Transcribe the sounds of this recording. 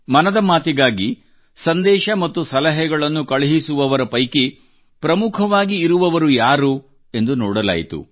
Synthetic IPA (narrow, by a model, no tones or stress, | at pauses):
mɐnɐd̪ɐmaːt̪iɡaːɡi | sɐnd̪ɛːʃɐmɐt̪ːusɐlɐɦɛɡɐɭɐnːukɐɭiɦisuʋɐʋɐɾɐpɐjki | pɾɐmukʰɐʋaːɡiːɾuʋɐʋɐɾujaːɾu | e̞nd̪unɔːɽɐla̰ːjit̪ṵ